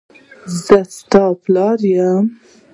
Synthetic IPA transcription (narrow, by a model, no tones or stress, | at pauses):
zɐst̪ɑːplɑːɾjam